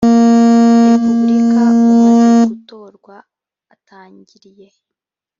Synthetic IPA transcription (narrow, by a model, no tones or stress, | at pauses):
ɾepubɾikʰaumunuɡuto̞ːɾɡwaː | taːɲɟiɾije̞